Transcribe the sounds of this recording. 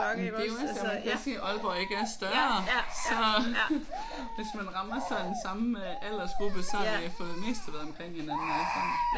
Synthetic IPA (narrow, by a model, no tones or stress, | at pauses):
md̥eoʋæ̥æseʔɒ̽lb̥ɒːe̝ɡ̥əæɐsd̥ɶɐɐsɒ̽ | ʋe̝smænʁɑ̈mɐsɑ̈ɪd̥ensɑ̈məʔæl̰ɐsb̥ɔb̥əsɒ̽jɑfɔ̽ːð̩ˠdeme̝̰ːsd̥əʋæðˠɒ̽mkʰʁeŋ̰henænn̩æsi